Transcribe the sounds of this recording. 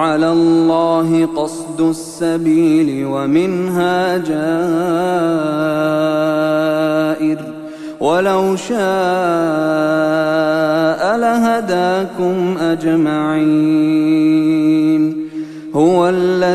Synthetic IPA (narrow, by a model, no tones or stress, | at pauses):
ʕalaːlːɑːɦɪqɑsˤd̪ʊsːabiːlɪwamɪnɦaːd͡ʒaː | ʔɪɾ | walawʃaː | ʔalaɦad̪aːkʊmʔad͡ʒmaʕiː | n | hʊwalːa